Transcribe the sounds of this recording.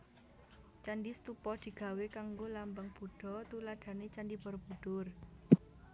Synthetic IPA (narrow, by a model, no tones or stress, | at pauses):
t͡ʃanɖist̪upɔd̪̥i̤ɡ̥a̤wekaŋɡolambaŋb̥ṳɖ̥ɔ̤t̪ulad̪̥a̤net͡ʃandib̥ərb̥ṳd̪̥ʊr